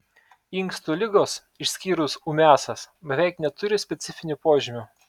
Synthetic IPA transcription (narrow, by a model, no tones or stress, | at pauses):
iŋˑkst̪ʊlʲɪɡoːs | ɪʃʲsʲkʲiːɾʊsumʲæːsɐs | bʲɛʋʲɛɪknʲɛt̪ʊɾʲɪsʲpʲɛt̪sʲɪfʲɪnʲupoːʒʲɪmʲʊ